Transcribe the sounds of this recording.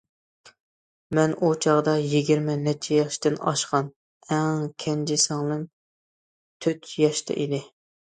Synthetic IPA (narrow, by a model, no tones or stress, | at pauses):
mɛnʔut͡ʃʰɑʁd̪ɑjiɡʲiɾmɪnɛt͡ʃʰɛjɑʃt̪ɪnɑ̰ʃqɑn | ɛŋkʲʰɛnd͡ʒɪsɨŋlˠɨn | t̪ʰøt̪jɑʃt̪ʰɛ̰ʔid̪ɪ